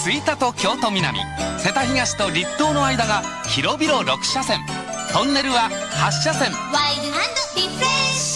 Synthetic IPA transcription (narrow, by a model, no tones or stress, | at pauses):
t͡sɨit̪at̪o̞kʲo̞ːt̪o̞mʲina̰mʲḭse̞t̪açiɡaɕi̥t̪o̞ɾʲit̪ːo̞ːno̞aid̪aɡa | çiɾo̞bʲiɾo̞ɾokɯ̥ɕasẽ̞ŋ | t̪õ̞nːe̞ɾɯ̟βahaɕːasẽ̞wajd̪ɦãnd̪opipɾe